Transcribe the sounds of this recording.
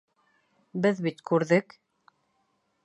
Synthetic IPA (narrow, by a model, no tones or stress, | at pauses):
bɘðβit̪kʉɾðɘk